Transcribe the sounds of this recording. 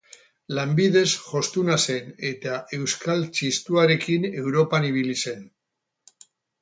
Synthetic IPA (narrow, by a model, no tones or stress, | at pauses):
lambið̞e̞sʝo̞st̪unase̞ne̞t̪aʔe̞wskalt͡ʃist̪uaɾe̞kine̞wɾo̞paniβ̞ilise̞n